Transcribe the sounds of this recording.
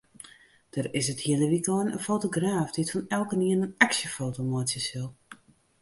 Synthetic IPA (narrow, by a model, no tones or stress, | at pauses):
d̥ərɪsəthiələʋikɔːnə̰nfoːtoɡraːfditfɔnɛlˠkəniənənaksjəfoːtomoətjəsɪlˠ